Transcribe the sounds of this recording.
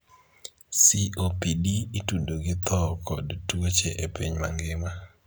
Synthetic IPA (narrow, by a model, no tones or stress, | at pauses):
siʔopidiːtudoɡɪt̪ɔkʰɔdtwot͡ʃeʔepiɲma̰ŋɡɪma